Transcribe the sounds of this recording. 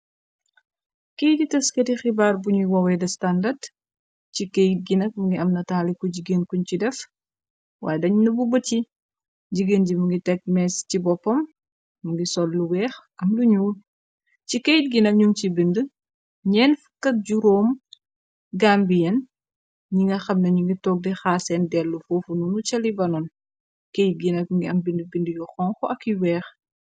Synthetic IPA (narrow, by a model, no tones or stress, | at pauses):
kejditɐskɐtixibaːrbuɲuwɐwɛdɐstandɐd | cikejt̚ɡinɐk̚mɐŋɡiɐmnɐtaːlikɔɟiɡeːnkuɲcidɛf | wa̰ːjɛdɐɲnɐbubɐti | ɟiɡenɟimuŋɡitɛk̚mɛscibɔpːɔmː | uŋɡisɔlːuwɛːxʔɐmluɲuːl | cikejt̚ɡinɐɲumt͡ʃibində | ɲɛnfəkːɐɟuɾɔːm | ɡambijɐn | ɲiŋɡɐxɐmnɐɲuŋɡitɔːɡ̚dɛxaːsɛndɛlːufoːfununut͡ʃɐlibɐnɔn | kejt̚ɡinɐfŋɡiɐmbindəbindəjɔxɔːŋxɔɐkːiwɛːx